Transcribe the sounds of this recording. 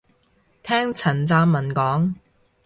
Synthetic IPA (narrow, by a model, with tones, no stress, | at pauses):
t̪ʰɛː˥ŋt͡sʰɐ˨˩nt͡saː˧mmɐ˨˩nkɔː˨˥ŋ